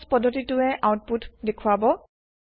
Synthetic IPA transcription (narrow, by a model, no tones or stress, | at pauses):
spɔdʱːɔtitʊɛʔawt̚putdekʰuabɔ